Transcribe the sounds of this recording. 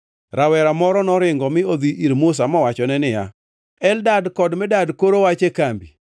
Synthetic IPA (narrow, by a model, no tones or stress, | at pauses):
ɾawɛɾamɔɾɔnɔɾɪŋɡɔmɪod̪iʔiɾmʊs̬amɔwat͡ʃɔnɛnɪja̰ | ɛldadkɔdmɛdadkoɾowat͡ʃekambi